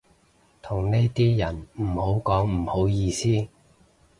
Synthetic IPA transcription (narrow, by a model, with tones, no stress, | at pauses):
t̪ʰʊ˨˩ŋne˥jt̪iː˥jɐ˨˩nm̩˨˩ho˨˥wkɔː˨˥ŋm̩˨˩ho˨˥wjiː˧siː˥